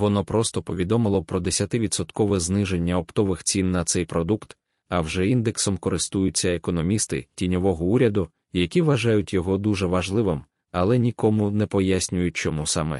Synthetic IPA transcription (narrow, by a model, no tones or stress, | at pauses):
ʋɔnɔpɾɔst̪ɔpɔʋʲid̪ɔmɪlˠɔpɾɔd̪esʲɐt̪ɪʋʲid̪sɔt̪kɔʋɛznɪʒe̞nʲːɐɔpt̪ɔʋɪxt͡sʲinːɐt̪sɛjpɾɔd̪ukt̪ | ɐwʒɛind̪eksɔmkɔɾɪst̪ujʊt͡sʲːɐekɔnɔmʲist̪ɪ̰tʲinʲɔʋɔɦɔuɾʲɐd̪ʊ | jɐkʲiʋɐʒajʊtʲjɔɦɔd̪uʒɛʋɐʒlˠɪʋɪm | ɐlˠɛnʲikɔmʊnɛpɔjasʲnʲʊjʊt̚ʲt͡ʃɔmusamɛ̰